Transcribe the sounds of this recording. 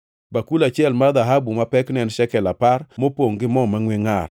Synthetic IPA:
bakulat͡ʃjɛlmad̪aɦabumapɛknɛnʃɛkɛlaparmopoŋɡɪmɔmaŋweŋar

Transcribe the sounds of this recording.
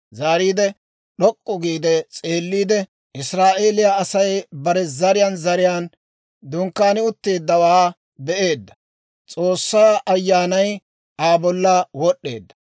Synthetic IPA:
zaːɾiːd̪ɛ | ɗɔkʼːɔɡiːd̪ɛt͡sʼe̞ːlːiːd̪ɛ | ɪsɾaːʔe̞ːlɪjaɐsɐjbɐɾɛzɐɾɪjanzɐɾɪjaːn | d̪ʊŋkːaːnɪʊt̪ːe̞ːd̪ːɐwaː | bɛʔe̞ːd̪ːɐ̥ | t͡sʼo̞ːsːaːʔɐjːaːnɐj | aːbɔlːɐwɔɗːe̞̰ːd̪ːɐ̥

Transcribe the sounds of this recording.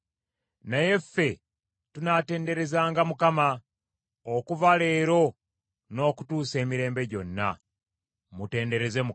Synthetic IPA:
naje̞fːe̞ | tunate̞ːnde̞ɾe̞zaːŋɡamukama | okuvale̞ːɾo̞ | no̞ːku̥tuːse̞ːmiɾe̞ːmbe̞ɟo̞nːa̰ | mute̞ːnde̞ɾe̞ze̞mu

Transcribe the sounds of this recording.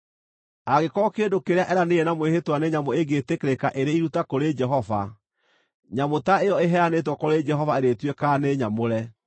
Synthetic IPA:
aɣekɔkedokeɾeaʔɛɾaneɛnamwehetwaneɲamoeɡetekeɾekaʔeɾeiɾutakoɾed͡ʒɛɦɔva | ɲamotaeɔeɦɛanetwɔkoɾed͡ʒɛɦɔvaeɾetwekaːneɲamoɾɛ

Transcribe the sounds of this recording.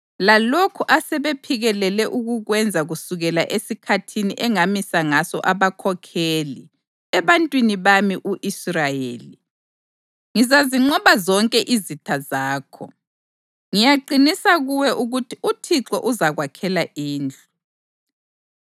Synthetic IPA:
lalokʰuʔasɛβepʰiɣɛlɛlɛʔuɣuɣwɛnd͡zʱaɣusuɣɛla̰ʔesikʰatʰiniʔɛŋamisaŋasɔ̰ʔaβakʰɔkʰeːli | ɛβantʼwiniβamiʔuʔisrajḛːli | ŋizaziŋ͡ǃɔβazɔŋkʼɛʔizitʰazaːkʰɔ̰ | ŋijaǃinisaɣuwɛʔuɣutʰiʔutʰiǁɔʔuzaɣwakʰɛlaʔiːnd͡ɮʱu

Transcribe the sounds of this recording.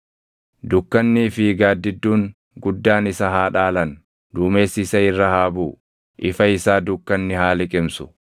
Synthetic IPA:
d̪ʊkːɐnːiːfɪɡaːd̪ːɪd̪ːuːŋ | ɡʊd̪ːaːnɪsɐɦaːᶑaːlɐn | d̪uːmeːsːɪsɐɪrːɐhaːbuː | ʔɪfɐɪsaːd̪ʊkːɐnːɪɦaːlɪkʼɪmsʊ̥

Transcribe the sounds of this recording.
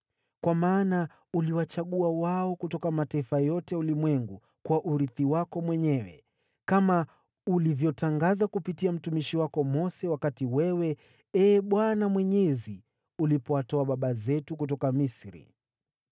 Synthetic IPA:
kwamaːna | uliwat͡ʃaɠuawaɔkutɔkamataifajɔtɛulimwɛŋɡu | kwaʔuɾiθiwakɔmwɛɲɛwɛ̰ | kama | ulivjɔtaŋɡazakupitiam̩tumiʃiwakɔmɔsɛwakatiwɛwɛ | ɛːɓwanamwɛɲɛzi | ulipɔatɔaɓaɓazɛtukutɔkamisɾḭ

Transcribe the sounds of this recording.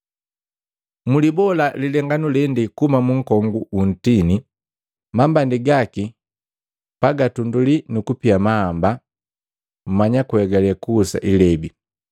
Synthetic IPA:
mulibɔlalilɛŋɡanulɛndikumamuŋ̩kɔŋɡuʔun̩tini | mambandiɡaki | paɡatundulinukupiamahamba | m̩maɲakuhɛɡalakuːsa̰ʔilɛbi

